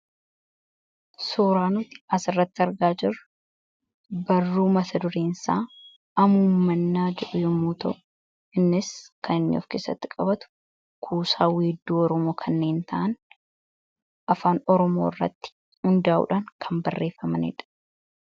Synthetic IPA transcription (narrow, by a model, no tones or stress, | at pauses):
suːɾaːnʊt̪ɪ̥ɐsɪrːɐt̪ːɪɐɾɡaːd͡ʒɪrːʊ | bɐrːuːmɐsɐd̪ʊɾeːnsaː | ɐmuːmːɐnːaːd͡ʒɛᶑʊjʊmːuːt̪ɐʔ | ɪnːɪskʰɐnɪnːɪ̰ɔ̰fkeːsɐ̰t̪ːɪkʼɐbɐt̪ʊ̥ | kʰuːsaːweːd̪ːuːɔɾɔmo̞ːkʰɐnːe̞ːnt̪ɐʔɐn | ʔɐfaːnɔɾɔmo̞̰ːɪrːɐ̰t̪ːɪ̥ | hʊnd̪aːʔʊ̰ːᶑaːŋkʰɐmbɐrːe̞ːfːɐmɐnɪ̰ᶑɐ̥